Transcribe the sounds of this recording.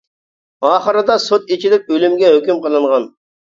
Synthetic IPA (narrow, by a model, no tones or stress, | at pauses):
ɑːχəɾɨd̪ɑsot̪et͡ʃʰid̪ɪp̚ølymɡʲɛɦøkʲymqəlˠɨɴʁɑn